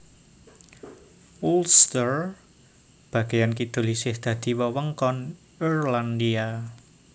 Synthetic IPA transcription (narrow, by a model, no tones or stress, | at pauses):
ulst̪ər | b̥a̤ɡ̥e̤jankid̪̥o̤lisɪhd̪̥ä̤d̪̥i̤wəwəŋkɔn | irland̪ia